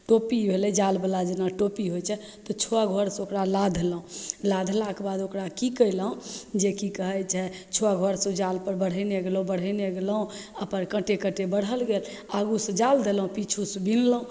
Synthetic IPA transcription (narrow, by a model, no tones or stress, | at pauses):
ʈopibʱelɛd͡ʒalbəlad͡ʒenaʈopiɦojt͡ʃʰɛ | t̪ɔt͡ʃʰoaɡʱoɾsokɾalad̪ʱləɦũlad̪ʱlakebad̪okɾakikəjləɦũd͡ʒekikəɦət͡ʃʰɛt͡ʃʰoaɡʱoɾsud͡ʒalpəɾbəɽ̤əjneɡelũbəɽ̤əjneɡeləɦũəpənkəʈekəʈebəɽ̤əlɡel | aɡusəd͡ʒald̪elũpit͡ʃʰusbinlũ